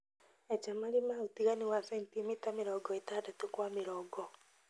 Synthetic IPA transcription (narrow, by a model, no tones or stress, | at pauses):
ad͡ʒamalimaotiɣaniwasɛntimitamɪɾɔːɡɔitaːdatokwamɪɾɔːɡɔ